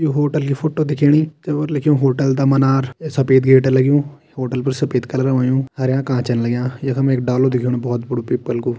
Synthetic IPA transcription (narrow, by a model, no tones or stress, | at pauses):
joːɦoːʈəlkiːpʰʊʈːõːd̪ɪkʰeːɳiːt̪eʋəɾlɪkʰijõːɦoːʈəld̪aːmənaːɾsəpeːd̪ɡeːʈːləɡjõː | hoːʈəlpəɾsəpeːt̪kəlɾəʋãːjõːhəɾjãːkãːt͡ʃənləɡjãːjakʰəmẽːɪkɖaːloːd̪ɪkʰiːnõbɔːt̪bʊɽoːpiːpːəlkoː